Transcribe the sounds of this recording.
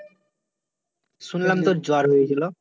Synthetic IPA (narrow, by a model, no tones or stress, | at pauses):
sunlamt̪od͡ʑoaɾɦojet͡ɕʰilo